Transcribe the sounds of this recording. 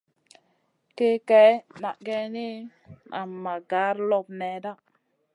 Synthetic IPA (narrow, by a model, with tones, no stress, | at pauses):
ke˦kɛ˨˦na̰˨ɡe˦ni˦ | na̰˨mːa˨ɡa˨˦ɾlo˦˨p̚nɛ˨˦da˦